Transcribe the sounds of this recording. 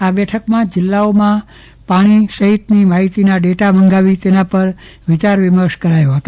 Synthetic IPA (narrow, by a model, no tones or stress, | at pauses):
abɛʈʰəkmãd͡ʒɪlːaomã | paɽ̃isəɦit̪nimaɦit̪inaɖeʈabəŋɡaʋit̪enapəɾʋɪt͡ʃaɾʋɪməɾʃkəɾajoɦət̪o